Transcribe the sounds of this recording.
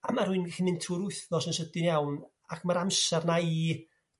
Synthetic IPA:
amarhuɨnɡɛximɪntʰuɾʊɨθnɔsənsədɪnjawn | akʰmaɾamsɛrnai

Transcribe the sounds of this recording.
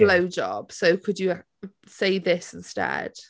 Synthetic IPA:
ləʊd͡ʒɒ̰b̥soʊkʰəd͡ʒə | seɪðɪsɪ̃nstɛ̰d̥

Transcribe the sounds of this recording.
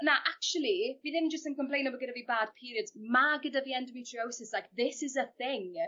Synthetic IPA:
naʔak̚t͡ʃulˠiviðɪ̃nd͡ʒəstənkəmpl̥ẽjnɔbəɡɪdavibaːd̥̚pʰiːɾiədzmaɡɪdaviɛndəmitʰɹiowsɪslajk̚ðɪsɪzəθɪŋ

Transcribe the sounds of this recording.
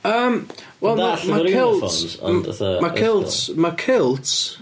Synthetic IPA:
əːm | wɛlˠmamakʰɪl̰ˠtn | makɪlˠtmakʰɪlˠtʰ

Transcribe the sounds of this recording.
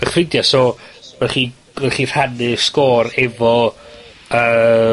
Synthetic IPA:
əχrɪdjasɔvɛχiː | vɛχir̥hanɨskɔːɾɛvɔ | əː

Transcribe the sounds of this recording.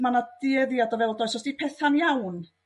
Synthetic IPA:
manad̥ɪəðjadɔvɛlˠdɔjsɔsd̥ipʰɛθanjawn

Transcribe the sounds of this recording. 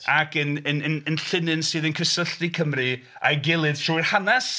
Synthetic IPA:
akʰənənənənɬɪnɨnsɨːðənkʰəsəɬtikʰəmrɨ | a̰jɡɪlˠɨð̥tʰuɨrhanas

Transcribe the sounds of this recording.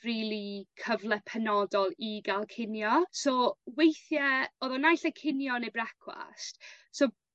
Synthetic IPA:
riːlˠikʰəvlˠɛpʰɛnɔdɔlˠiɡalˠkʰɪnjɔsoːwejθjɛoːðɔnajɬəkʰɪnjɔnebrakʰwa̰st | so

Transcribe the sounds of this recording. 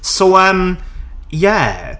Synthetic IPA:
soʊʌ̃m | jæ

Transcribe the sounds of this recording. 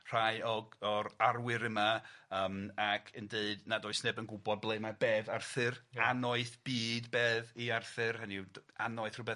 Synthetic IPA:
r̥ajɔɔɾarwɨɾəmaəːmakʰəndeɨdnadʊːɨsneːbənɡʊbɔd̚blˠeɨmabeːvarθɨranɔɨθb̥iːdbeːðiarθɨrhənianɔɨθrʊbɛ

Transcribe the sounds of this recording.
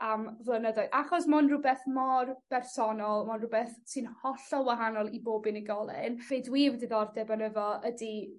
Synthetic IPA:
əmvlˠənədɔɨðaχɔsmɔnrʊbɛθmɔrb̥ɛrsɔnɔlˠmɔnrʊbɛθsɨnhɔɬɔwaɦanɔlˠiboːbɨnəɡɔlˠɪ̰nv̥edwiːvdɨðɔrdɛbanəvɔədi

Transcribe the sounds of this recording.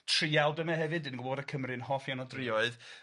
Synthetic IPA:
tʰriawdəmɛɦɛvɨdɨnɡwvoːdakʰəmrɨnhɔfjanɔdrɪɔɨð

